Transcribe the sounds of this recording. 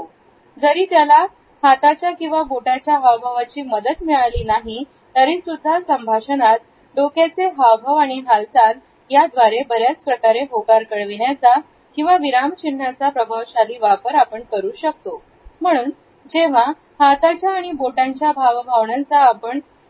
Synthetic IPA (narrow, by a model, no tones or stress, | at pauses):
o | d͡zəɾiːt̪jala | hat̪at͡ɕjakĩw̃ʋaboʈat͡ɕjaɦaʋbʱaʋat͡ɕiːməd̪ət̪miɭaliːnaɦi | t̪əɾiːsud̪ʱːasəmbʱaɕənat̪̚ | ɖokjat͡seɦaʋbʱaʋaɽ̃iɦalsal | jad̪ʋaɾebəɾjat͡spɾəkaɾeɦokaɾkəɽʋiɳjat͡sa | kĩw̃ʋaʋiɾamt͡ɕiɳ̤ːat͡sapɾəbʱaʋɕaliːʋapəɾapəɳkəɾuːɕək̚t̪o | m̤əɽ̃uːn | d͡ʑeʋ̤a | hat̪at͡ɕjaːɽ̃iboʈãɲt͡ɕjabʱaʋbʱaʋɳãnt͡saːpəɳ